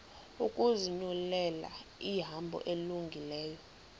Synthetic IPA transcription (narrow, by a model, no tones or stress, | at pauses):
ukʼuziɲulɛla̰iɦambʱɔ̰ʔeluŋɡʱilɛːjɔ